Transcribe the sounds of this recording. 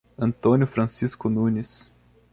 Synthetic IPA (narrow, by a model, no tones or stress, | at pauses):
ɐ̃nt̪õnjʊfɾɐ̃siskʊnũnʲis